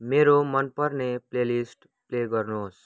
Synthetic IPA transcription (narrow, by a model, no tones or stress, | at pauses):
meɾomʌnpʌrneplelisʈ | pleɡʌrnos